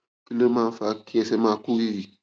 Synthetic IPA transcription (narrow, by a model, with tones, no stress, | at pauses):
ki˦le˦mã˦fa˨˦ki˦ɛ˨sɛ˦ma˨ku˦i˦i˨